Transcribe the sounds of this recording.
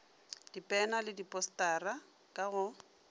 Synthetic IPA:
d̥ipʼɛnalɪdipʼɔstʼaːra | kʼaɣʊ

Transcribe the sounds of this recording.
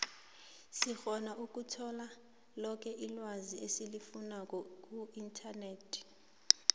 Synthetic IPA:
sixɔnaʔuk̬ʼutʰɔla | lɔk̬ʰʼɛʔilwaziesilifunak̬ʼɔk̬ʼuintʰaneːtʰ

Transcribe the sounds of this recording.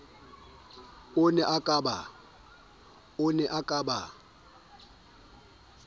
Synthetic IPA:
ʊnɛʔakʼaba | ʊnɛʔakʼaba

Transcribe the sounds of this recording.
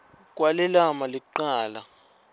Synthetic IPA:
k̬ʼwalɛlamaliǃaːla

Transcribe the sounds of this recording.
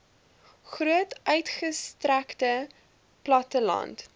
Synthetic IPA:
χruətʔœɥtχəstræktə | plɐtəlɐ̰nt

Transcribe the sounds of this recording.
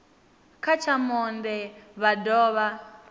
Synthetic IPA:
kʰat͡ʃʰamɔndɛβadɔːβa

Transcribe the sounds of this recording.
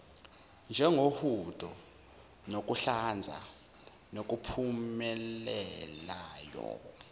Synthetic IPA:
nd͡ʒʱɛŋʱohudtʼɔ | nok̬ʼuɬand͡zʱa̰ | nok̬ʼupʰumɛlɛlaːjɔ̰

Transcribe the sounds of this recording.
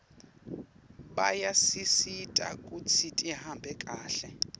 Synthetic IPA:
ɓajasisitʼa̰kʼut͡sʰitʼihambʱɛkʼaːɬɛ

